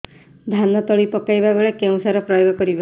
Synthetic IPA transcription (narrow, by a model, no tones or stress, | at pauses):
d̪ʱanɔt̪ɔɭipɔkajbabeɭekew̃saɾɔpɾɔjɔɡɔkɔɾiba